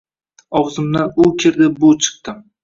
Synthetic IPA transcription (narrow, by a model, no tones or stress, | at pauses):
ɒwzɪmd̪anʊkʲʰɪɾd̪ɪbʊt͡ʃʰɨ̥q̚t̪ɪm